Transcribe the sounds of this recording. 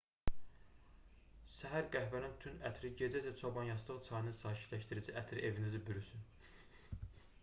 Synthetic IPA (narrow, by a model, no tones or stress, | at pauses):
sæɦæɾɡæhvænint̪ʰynæt̪ʰɾiɟe̞d͡ʒæd͡ʒæt͡ʃʰobɑnjɑs̬d̪ɯʁɯt͡sʰɑjnɯzsɑːcʰi̥t̪læʃt̪iɾid͡ʒiʔæt̪ʰɾḭʔevinizibyɾysyn